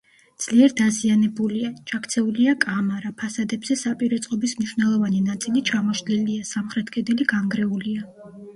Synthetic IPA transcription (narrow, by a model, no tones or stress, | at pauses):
d̪z̥liɛɾd̪azianɛbuliat͡ʃʰakʰt̪sʰɛuliakʼamaɾapʰasad̪ɛbz̥ɛsapʼiɾɔt̪sʼqʼɔbismniʃwnɛlˠɔvaninat̪sʼilit͡ʃʰamɔʃliliasamχɾɛt̪ʰkʼɛd̪ɛliɡaŋɡɾɛulia